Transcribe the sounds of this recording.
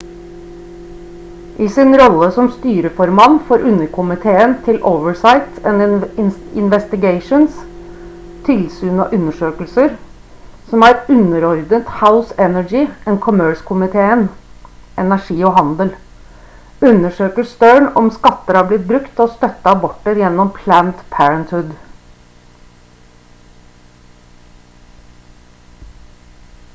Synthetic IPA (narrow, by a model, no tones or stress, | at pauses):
ʔɪsɪnɾɔlːəsɔmst̪yːɾəfɔɾmɑnfoːɾʉnːəɾkʰʊmɪt̪ʰeːənt̪ʰɪlʔoʊʋəɹsaɪt̪ɛn | ɪnʋɛst̪ɪɡeɪʂʊns | t̪ʰɪlsʉːnɑ̰ʔʉnːəʂøːkəlsəɾ | sɔmæɾʉnːəɾɔɾd̪ət̪haʊsɛnæɡɪɛnkʰʊmøːɹskʰʊmɪt̪ʰeːənʔɛnæʂiːɔɦɑnd̪əl | ʉnːəʂøːkəst̪œɹɳɔ̰mskɑt̪ːəɾhɑːblɪt̪̚bɾʉkt̪ɔst̪œt̪ːəɑbɔʈːəɾjɛnːɔmpʰlænt̪pʰæɾənt̪hʉd̪